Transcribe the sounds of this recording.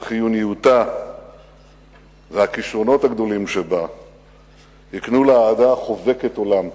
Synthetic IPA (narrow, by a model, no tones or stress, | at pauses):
χijunijuta | veakiʃʁo̞no̞thaɡd̪o̞limʃeba | hiknuleaːd̪aχo̞ve̞keto̞lam